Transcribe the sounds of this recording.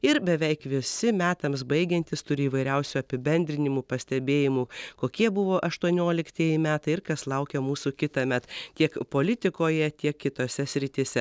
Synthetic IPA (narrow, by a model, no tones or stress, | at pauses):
ɪɾbʲɛʋʲɛɪkʋʲɪsʲɪmʲæːt̪ɐmsbɐɪɡʲɛnʲt̪ʲɪst̪ʊɾʲɪiːʋɐɪɾʲɛʊsʲuːɐpʲɪbʲɛnʲd̪ʲɾʲɪnʲɪmuːpɐsʲt̪ʲɛbʲeːjɪmuːkoːkʲiɛbʊʋoːʔɐʃt̪uɔnʲoːlʲɪkt̪ʲiɛjɪmʲæːt̪ɐɪɪɾkɐslˠɐʊkʲɛmuːsukʲɪt̪ɐmʲɛt̪tʲiɛkpoːlʲɪt̪ʲɪkoːjɛt̪ʲiɛkkʲɪt̪oːsʲɛsʲɾʲɪt̪ʲisʲɛ